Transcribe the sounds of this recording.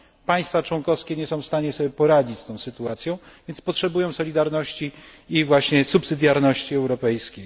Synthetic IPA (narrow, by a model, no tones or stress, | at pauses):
paj̃st̪fat͡ʂwɔŋkɔfskʲɛɲɛsɔ̃w̃fst̪aɲɛsɔbʲjɛpɔɾad͡ʑit͡ɕst̪ɔ̃w̃sɘt̪uat̪sʲjɔ̃w̃vʲjɛnt̪spɔtʂɛbujɔ̃w̃sɔlʲid̪aɾnɔɕt͡ɕiivwaɕɲɛsupsɘd̪ʲjaɾnɔɕt͡ɕiɛwɾɔpɛjskʲej